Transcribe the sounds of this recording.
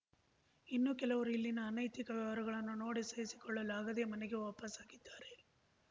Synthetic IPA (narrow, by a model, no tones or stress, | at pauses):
inːukɛlɐʋɐɾuilːinɐːnɐjt̪ikɐʋɛʋɐɾɐɣɐɭɐnːuno̞ːɽisɐjisi̥kɔɭːɐlaːɡɐd̪ejɐmɐnɛɡeʋoːpɐsaːɡid̪ːaːɾe̞